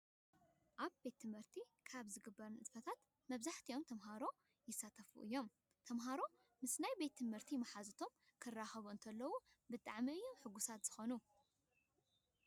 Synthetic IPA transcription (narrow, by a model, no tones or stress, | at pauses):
ʔaβbe̞t̪ːɨmhɨɾt̪ʰikʰaβzɨɡɨbːɐɾɨnʔɨd̪fɐt̪ʰat̪ | mɐβzaħt̪ʰijo̞mt̪ʰɐmɦaɾo̞ | jɪsːat̪ʰɐfṵʔɨ̰jːo̞m | t̪ʰɐmɦaɾo̞ | mɨsnajbe̞t̪ːʰɨmhɨɾt̪ʰimɐħazɨt̪ʰom | kʰɨrːaxɐβuɨnt̪ʰɐlːɐwu | bɨt̪ʼaʕmiɨjːomħɨɡusat̪z̥ɨxo̞nu